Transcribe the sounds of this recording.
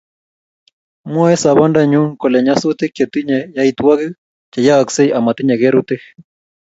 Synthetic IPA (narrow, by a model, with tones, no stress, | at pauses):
mɔ˦ɛ˦sa˨βa˦nda˦ɲu˦ŋkɔ˨lɛ˨ɲa˦su˦t̪e˦ke˨t̪i˦ɲɛ˨ja˦i˦t̪wa˦ɣi˦ | t͡ʃa˨ja˦a˨kse˦i˦ʔa˨ma˨t̪i˦ɲɛ˨ɣe˦ɾu˦t̪e˦